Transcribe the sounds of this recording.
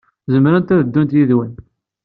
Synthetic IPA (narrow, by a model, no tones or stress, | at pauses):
zəmɾənt̪æðəd̪ːunt̪jiðwən